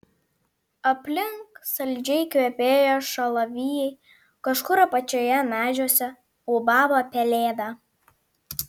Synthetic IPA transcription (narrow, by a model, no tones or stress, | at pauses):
ɐpʲlʲɪŋksɐlʲd͡ʒʲɛɪkʋʲeɛpʲeːjoːʃɐlˠɐʋʲiːjɛɪ | kɐʃkʊɾɐpɐt͡ʃʲoːjɛnɑːʒʲuɔsʲɛ | ubɑːbɐpʲɛlʲeːd̪ɑ